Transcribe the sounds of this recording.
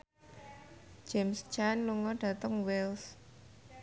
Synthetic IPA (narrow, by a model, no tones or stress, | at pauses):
d͡ʒemst͡ʃanluŋɔɖ̥ä̤t̪əŋwɛls